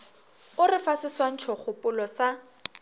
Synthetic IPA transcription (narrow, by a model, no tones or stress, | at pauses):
ʊrɪfasɪswan̩t͡ʃʰɔχʊpʊlɔsa